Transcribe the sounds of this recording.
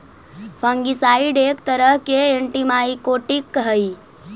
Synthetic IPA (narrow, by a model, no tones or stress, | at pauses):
pʰəŋɡisaiɖekt̪əɾəɦkeeɳʈimaikoʈikːɦəi